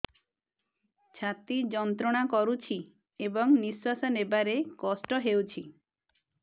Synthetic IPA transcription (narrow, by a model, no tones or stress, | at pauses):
t͡ʃʰat̪id͡ʒɔnt̪ɾɔɽ̃akɔɾut͡ʃʰi | ebɔŋnisasanebaɾekɔsʈɔɦewt͡ʃʰi